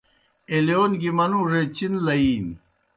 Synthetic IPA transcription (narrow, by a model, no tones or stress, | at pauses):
elijoːnɡimɐnũɾet͡ɕinlɐiːn